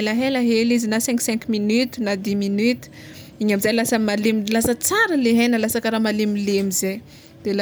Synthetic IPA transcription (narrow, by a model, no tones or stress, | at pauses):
laɦelaɦelizinasɛ̃ŋksɛ̃ŋkminyt̪u̥nad̪iminyt̪i̥ | iɲamizajlasamalemilasət͡saɾəleɦenəlasakəɾamalemilemize | d̪̥ela